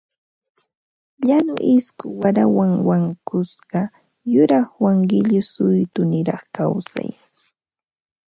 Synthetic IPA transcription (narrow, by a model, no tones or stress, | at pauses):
ʎanʊʔɪskʊwaɾawaŋwaŋkʊsɢɑ | jʊɾɑχwaŋɢɪʎʊsʊjt̪ʊnɪɾɑχkawsa̰j